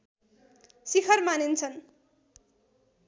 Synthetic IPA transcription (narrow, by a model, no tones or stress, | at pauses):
sikʰʌrmanent͡sʰʌn